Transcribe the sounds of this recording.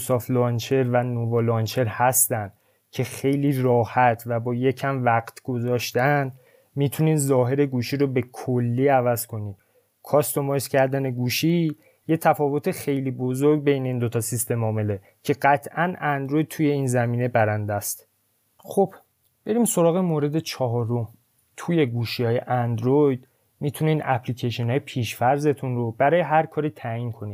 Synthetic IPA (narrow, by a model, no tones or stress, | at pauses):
sɒflɒnt͡ʃʰe̞ɾvænovolɒnt͡ʃʰe̞ɾhæst̪ænd̪ | cʰe̞xe̞jliːrɒːhæt̪ʰvæbɒːje̞cʰæmvæɡt̪ʰɡ̥ozɒːʃt̪æn | miːt̪ʰuniːnzɒːɦe̞ɾe̞ɡuːʃiɾobe̞kʰolːiːævæz̥kʰo̞niːm | kʰɒːst̪omɒscʰæɾd̪æne̞ɡuːʃiː | je̞t̪ʰæfɒːvo̞t̪ʰexe̞jliːbo̞zoɾɟ̚be̞jne̞iːnd̪o̞t̪ʰɒsist̪e̞mɒːme̞le | cʰe̞ɢæt̪ʰʔænænd̪ɾo̞jd̪̚t̪ʰuje̞iːnzæmiːne̞bæɾænd̪æst̪ | xo̞b̥ | b̥e̞ɾiːmso̞ɾɒːɣemoɾe̞d̪e̞t͡ʃʰɒɦɒːɾo̞m | t̪ʰuje̞ɡuːʃihɒːje̞ʔænd̪ɾojd̪̥ | mit̪ʰuniːnʔæpʰlicʰeʃonhɒːjepʰiːʃfæɾze̞t̪ʰunɾobæɾɒːje̞ɦæɾkʰɒːɾiːt̪ʰæiːnkʰo̞ni̥ː